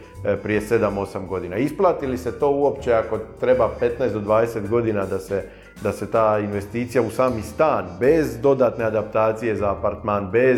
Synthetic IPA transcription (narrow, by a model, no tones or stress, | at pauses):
pɾije̞se̞d̪amo̞samɡo̞d̪iːnaisplˠaːt̪ilise̞t̪o̞ːuo̞pt͡ɕe̞ako̞t̪ɾe̞bape̞t̪najsd̪od̪ʋaːd̪ese̞t̪ɡo̞d̪iːnad̪ase | d̪ase̞t̪aːinʋe̞st̪iːt̪sijausaːmist̪aːnbe̞zd̪o̞d̪aːt̪ne̞ad̪ap̚t̪aːt̪sije̞zaːpaɾt̪maːnbe̞